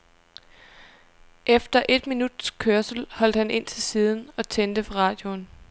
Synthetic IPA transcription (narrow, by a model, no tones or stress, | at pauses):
ʔefd̥ɐʔe̝d̥minud̥skʰøɐsl̩hɒ̽l̰d̥hæne̝n̰t͡sʰe̝lsiːð̞ˠn̩ɒ̽t͡sʰend̥əfʰɒ̽ʁɑ̈ːd̥jo̝n